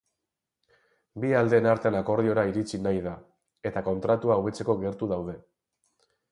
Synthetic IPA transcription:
biald̪e̞ːnaɾt̪eanako̞ɾðio̞ɾaiɾit͡sinajða | e̞t̪ako̞nt̪ɾat̪uauβe̞t͡se̞ko̞ɣe̞ɾt̪uðawð̞e̞

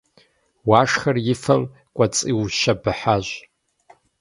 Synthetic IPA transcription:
waːʂχɐrjɪfɐm | kʷʼat͡sʼiwʃabɨħaʒʷ

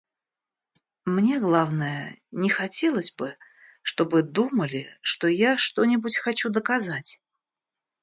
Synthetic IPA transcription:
mnʲe̞ɡlˠavnəjənʲɪxɐtʲelˠəsʲbɨ | ʂt̪o̞bɨd̪uməlʲɪʂt̪ojaʂt̪onʲɪbutʲxɐt͡ɕud̪əkazatʲ

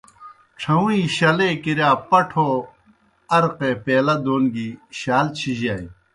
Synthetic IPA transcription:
ʈ͡ʂʰɐũĩɕɐlekiɾaːpɐʈʰoː | ɐɾqepeːlɐd̪oːnɡiɕaːlt͡ɕʰiʑaːi

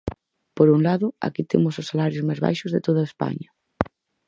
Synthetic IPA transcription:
poɾuŋlaðʊa̰kit̪emʊsʊsːalaɾjʊzmajzβa̰jʃʊzðet̪oðɐespa̰ɲɐ

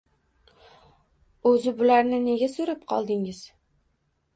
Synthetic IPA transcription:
ɵzɪbʊlaɾnɪne̞ɡʲasɵɾap̚qʰɒlˠd̪ɪŋɪz̥

